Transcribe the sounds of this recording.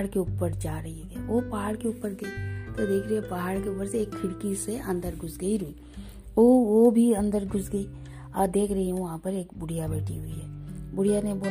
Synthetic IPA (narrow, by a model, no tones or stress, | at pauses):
ɽkeuːpːəɾd͡ʒaːɾɐɦiɦɛɛʋopaːɽkeuːpːəɾɡɐit̪od̪eːkʰɾɐiɛpaɦaːɽkeʊpːəɾseːkʰːɪɽkiseɐ̃nd̪əɾɡʱʊsɡəiɾʊiː | oʋobʱiɐ̃nd̪əɾɡʱʊsɡəi | aːd̪eːkʰɾɐɦiɦũʋɐɦãːpəɾeːkbʊɽ̤ijabɛːʈʰḭɦʊiɦɛːbʊɽ̤ijaneboː